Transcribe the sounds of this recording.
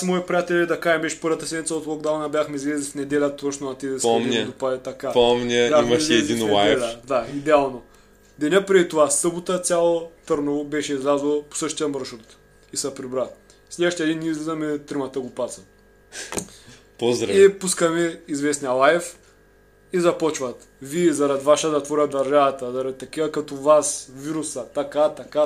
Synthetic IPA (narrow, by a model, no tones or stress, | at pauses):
smoipɾijat̪ɛlʲɛd̪ɐkaʒɛmbɛʃɛ̥pɤɾvɐt̪ɐsɛd̪mʲit̪ɐot̪lˠoɡd̪awnɐbjaxmɛizlʲɛzʲifnɛd̪ɛlʲət̪ot͡ʃnoɐt̪ɛd̪ɛsomnʲd̪opad̪ɛt̪ɐkapomnʲəimɐʃɛɛd̪inlˠajɛlʲɐd̪aid̪ɛalˠno | d̪ɛnʲəpɾɛd̪it̪ovasɤbut̪ət̪sʲalˠot̪ɤɾnɐvobɛʃɛizlʲazilˠopo̥sɤʃt̪ijəməɾʃɾut̪ | isɐpɾibɾat̪ | slʲɛʃt̪iɛd̪inːʲiɛizlʲizɐmɛt̪ɾimɐt̪əɡopat̪sɐ | pozd̪ɾɐipuskɐmɛizvɛsnijɐlˠajɛf | izɐpɔt͡ʃvɐt̪ | viɛzɐɾɐd̪ivaʃəd̪ɐt̪vɔɾʲəd̪ɐɾʒavɐt̪ɐzɐɾɐd̪it̪ɐkivɐkɐt̪ovasviɾusət̪akat̪aka